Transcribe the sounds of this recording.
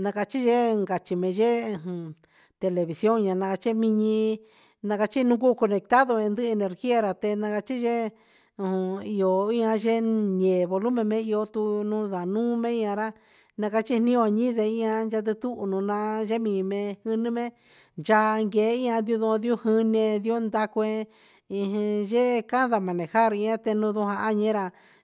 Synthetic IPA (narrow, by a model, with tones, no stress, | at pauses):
nã˧ka˧t͡ʃi˦ʒe˦ŋɡa˨t͡ʃi˧mẽ˧ʒẽ˦˧˨ | t̪e˧le˧βi˨sjo˦ŋɲã˧nã˧ka˧t͡ʃi˦mĩ˧ɲĩ˧ | nã˧ka˧t͡ʃi˦nũ˦˧ku˦˧ko˧nẽ˨˧k̚t̪a˦ðo˧ẽ˧nd̪ɨ˦˧e˧ne˧ɾɣi˦a˧ɾa˧t̪e˧nã˧ka˧t͡ʃi˦ʒẽ˦˧ | i˧o˨ĩ˦ã˧ʒe˦ɲẽː˨βo˧lu˦mẽ˧mẽ˧˦i˧o˧t̪u˧nũ˦ða˨nũː˦mẽ˦ĩ˧˦˧ã˧ɾa˦ | nã˧ka˧t͡ʃi˦nĩ˦õ˧ɲĩ˦ðe˧˨ĩ˧ã˧nd͡ʒa˧t̪̬ɨ˧t̪u˦ʔnũ˨˧nã˧ʒe˦mĩ˨mẽ˧hɨ˧nĩ˦mẽ˦ | nd͡ʒa˧ŋɡeː˨˦i˦˧ã˧d̪i˧u˧ðũ˧ði˧˦o˦hɨ˧nĩ˧ẽ˧ði˧˦o˦nd̪a˧ku˧ẽ˧ | ĩ˧ɦĩ˧ʒe˦ka˦ða˧mã˨nẽ˨ha˦ɾĩ˧ã˦t̪e˧nũ˧ðũ˧ɦã˧a˦ɲẽ˦ɾa˧